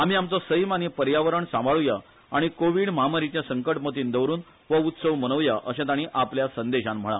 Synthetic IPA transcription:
am̤iːamt͡sɔsəjmanipəɾjaʋəɾəɳsãmbaɭuja | aɽ̃ikoʋiːɽməɦamaɾit͡ɕjasəŋkəʈmət̪iːnd̪əʋɾuːn | ʋəut̪səʋmənəʋjaʔəɕãt̪aɽ̃iːʔapljasənd̪eɕãm̤əɭ̃a̰

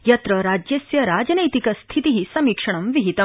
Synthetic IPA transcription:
jɐt̪ɾəɾad͡ʑjesjɐɾad͡ʒɐnɐjt̪ikɐst̪ʰit̪iɦisɐmikʂɐɳ̃ɐmʋiɦit̪ɐ

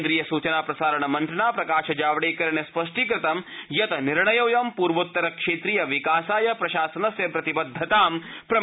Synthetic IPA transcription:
d̪ɾiːjɐsuːt͡ʃɐnaːpɾɐsaːɾɐɳɐmɐnʈ̪ɾɐɳaːpɾɐkaːʃɐd͡ʒaːʋɽeːkɐɾɳjɐspɐʂʈikɾɪt̪ɐmjɐt̪ɐniɾɳɐjoːjɐmpuːɾʋɐt̪ːɐɾɐkʂeːt̪ɾijɐʋikaːsaːjɐpɾɐʃaːsɐnɐsjɐpɾɐt̪ibɐd̪ʱːɐt̪aːmpɾɐ

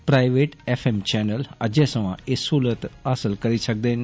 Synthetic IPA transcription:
pɾaːɪʋeːʈɛːfʰeːmt͡ʃɛːnələd͡ʒeːsəʋãːɪsuːlət̪aːsəlkəɾisək̚d̪eːn

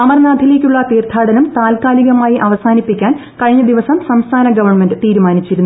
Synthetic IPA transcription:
ɐmɐrnaːd̪ʱile̞ːk̬ʲːuɭːɐt̪iːrt̪ʰaːɽɐnɐmt̪aːlkaːliɣɐmaːjiʔɐʋɐsaːnipːikʲːaːn | kɐɻiɲːɐd̪iʋɐsɐmsɐmst̪ʰaːnɐɡɐʋɐrɳmenɖɨt̪iːɾumaːnit͡ɕːiɾunːu

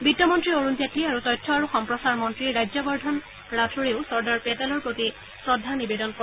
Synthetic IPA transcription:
bitːjɔmɔntɹioɹunzatːiaɹutɔjtʰːɔaɹuxɔmpɹɔsaɹmɔntɹiɹajd͡ʑɔbɔɹdʱɔn | ɹatʰuɹeʊsɔɹdaɹpetalɔɹpɹoti | sɹɔdʱanibedɔnkɔ

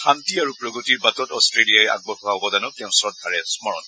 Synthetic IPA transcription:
xʰantiaɹupɹɔɡotiɹbatɔtɔstɹeliajɛa̰ɡ̚bɔxɔaɦɔbɔdanɔtɛʊ̃sɹɔd̚ɡʱaɹɛsmɔɹɔ̰t

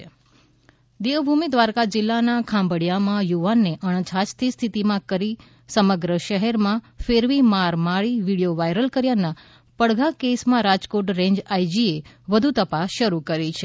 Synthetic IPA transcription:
d̪eʋbʱumid̪ʋaɾkad͡ʒɪlːanakʰãmbəɽjamãjuʋanːeʔəɳ̃t͡ʃʰat͡ʃt̪ʰist̪ʰit̪imãkəɾi | səməɡɾəʃəɦɛɾmã | feɾʋimaɾmaɭiʋiɽijoʋajɾəlkəɾjana | pəɽɡʱakesmãɾad͡ʒkoʈɾẽɲd͡ʒajd͡ʒie | ʋəd̪ʱut̪əpasʃəɾukəɾit͡ʃʰe

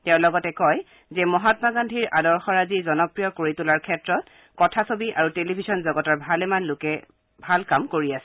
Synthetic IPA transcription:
tɛʊ̃lɔɡɔtɛkɔj | zɛmɔɦatmaɡandʱiɹʔadɔɹxɔɹazizɔnɔpɹijɔkoɹitulaɹkʰɛtɹɔt | kɔtʰasobiʔa̰ɹutelibʱisɔnzɔɡɔtɔɹbʱalɛmanlʊkɛ | bʱalkamkoɹiasɛ

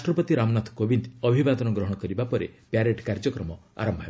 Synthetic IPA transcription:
aʈɾɔpɔt̪iɾamɔnat̪ʰkobint̪ɔbʱibad̪ɔnɔɡɾɔɦɔɽ̃ɔkɔɾibapɔɾḛpjaɾeʈkaɾd͡ʒɔkɾɔmɔa̰ɾɔmbʱaɦe

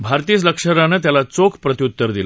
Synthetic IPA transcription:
bʱaɾt̪iːt͡sləkʂəɾanət̪jalat͡sokʰpɾət̪iut̪ːəɾd̪il

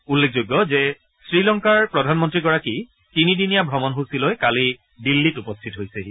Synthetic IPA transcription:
ulːekʰzoɡːɔzɛ | sɹilɔŋkaɹpɹɔdʱanmɔntɹiɡɔɹaki | tinidinijabʱɹɔmɔnɦusilojkali | dilːitupɔstʰitɦojsɛ

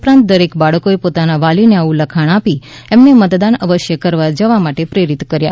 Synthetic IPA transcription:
upɾãnt̪̚d̪əɾekbaɭəkoepot̪anaʋalineaũləkʰaɳ̃api | emnemət̪d̪anəʋəʃjəkəɾʋad͡ʒəʋamaʈepɾeɾit̪kəɾja̰

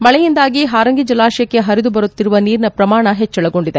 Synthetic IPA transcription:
mɐɭɛjind̪aːɡiɦaːɾɐŋɡid͡ʒɐlaːʂɐjɐkːeɦɐɾid̪ubɐɾut̪ːiɾuʋɐniːɾnɐpɾɐmaːɳɐɦet͡ʃːɛɭɐɡo̞ɳɖid̪e

